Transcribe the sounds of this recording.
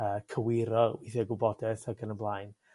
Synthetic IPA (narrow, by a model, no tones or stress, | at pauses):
əːkʰəwɪɾɔwiθɛɡʊbɔdɛθaɡənənblˠaːjn